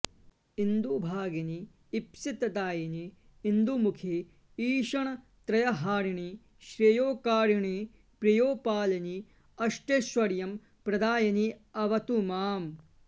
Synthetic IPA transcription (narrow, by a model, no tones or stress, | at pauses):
ind̪ubʱaːɡɐniː | psit̪ɐt̪aːjɐni | ind̪umukʰi | iːʃɐɳɐ | t̪ɾɐjɐɦaːɾiɳi | ʃɾɐjoːkaːɾiɳi | pɾɐjoːpaːlɐni | ɐʂʈeːʃʋɐɾjɐm | pɾɐd̪aːjɐniɐʋɐt̪umaːm